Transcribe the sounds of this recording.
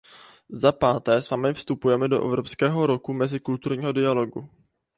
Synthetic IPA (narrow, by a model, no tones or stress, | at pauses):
zapaːt̪ɛːsvamɛfst̪upujɛmɛdo̞ʔɛ̰vɾopskɛːɦo̞ɾo̞kumɛzɪkult̪uɾɲiːɦo̞dɪalo̞ɡṵ